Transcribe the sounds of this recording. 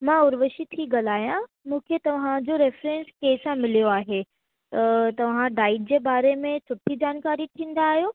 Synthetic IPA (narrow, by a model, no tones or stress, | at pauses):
mãʊɾʋəʃit̪ʰiɡɐlaːijã | mũːkʰet̪ɐʋ̤ãd͡ʑoɾefɾẽːnskeːɪsãmɪlijoaːɦe | t̪ɐt̪ɐʋ̤ãɖaːɪʈ̚d͡ʑeːbaːɾemẽt͡ɕʰʊʈʰːid͡ʑaːnkaːɾit̪ʰĩːn̆d̪aːɦijoː